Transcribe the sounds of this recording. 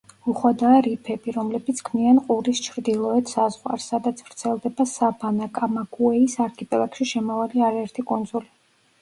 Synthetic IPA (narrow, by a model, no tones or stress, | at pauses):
uχwad̪aːɾipʰɛbiɾɔmlɛbit̪sʰkʰmianqʼuɾist͡ʃʰɾd̪ilˠɔɛt̪ʰsazʁwa̰ɾsːad̪at̪sʰv̥ɾt̪sʰɛlˠd̪ɛbasabʰanakʼamaɡuɛisaɾkʰipʼɛlˠakʃiʃɛmavaliaɾaɛɾt̪ʰikʼɔnd̪zuli